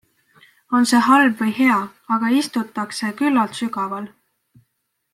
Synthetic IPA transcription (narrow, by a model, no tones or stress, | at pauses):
o̞nse̞ːɦɑlbvɤjhe̞ɑ | ɑɡ̥ɑist̪ut̪ːˑɑkse̞kylːɑlt̪syɡɑvɑl